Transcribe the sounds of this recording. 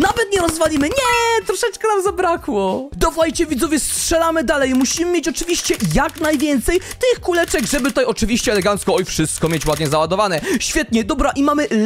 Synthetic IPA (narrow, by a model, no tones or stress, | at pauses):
navɛt̪ɲɛɾɔzvalʲimɘɲɛt̪ɾɔʂɛt͡ʂkɛnamzabɾakwɔd̪ɔvwajt͡ɕɛvʲit̪zɔvʲjɛstʂɛlamɘd̪alɛjmuɕimɘmʲjet͡ɕɔt͡ʂɘvʲiɕt͡ɕɛjaknajvʲjɛnt̪sɛjt̪ɪxkulɛt͡ʂɛɡʐɛbɘt̪ut̪ajɔt͡ʂɨvʲiɕt͡ɕɛɛlɛɡant̪skɔ̃ɔifʂɘst̪kɔmʲjet͡ɕwad̪ɲɛzawad̪ɔvanɛɕfʲjɛt̪̚ɲɛd̪ɔbɾaʔimamɘ